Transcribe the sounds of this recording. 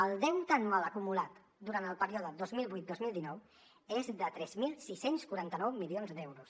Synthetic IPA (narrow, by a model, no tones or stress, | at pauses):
əlˠd̪ɛwt̪əːnualəkumulat̪ | d̪uɾant̪əlˠpəɾiɔðəd̪ozmilˠβujt̪̚d̪ozmilˠd̪inɔw | ezðət̪ɾɛzmilˠsisenskuɾant̪ənɔwmilionzd̪ɛwɾus